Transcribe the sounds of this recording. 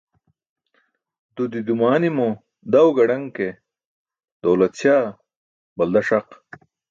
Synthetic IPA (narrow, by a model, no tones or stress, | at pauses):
d̪ud̪id̪umaːnimo | d̪ɐwɡɐɖɐŋke | d̪owlɐt̪ɕaː | bɐld̪ɐʂɐq